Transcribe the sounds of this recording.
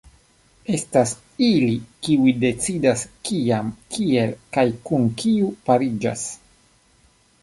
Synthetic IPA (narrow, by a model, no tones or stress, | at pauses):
e̞stas | ilikiuide̞t͡sidaskiamkie̞lkajkunkʰiupaɾid͡ʒa̰s